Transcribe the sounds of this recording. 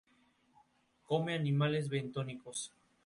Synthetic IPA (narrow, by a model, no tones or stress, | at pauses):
ko̞me̞animale̞zβent̪oniko̞s